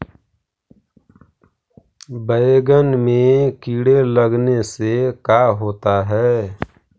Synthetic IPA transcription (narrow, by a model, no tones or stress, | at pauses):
bəeɡənmẽkiːɽeləɡnesekaɦoːt̪aɦɛː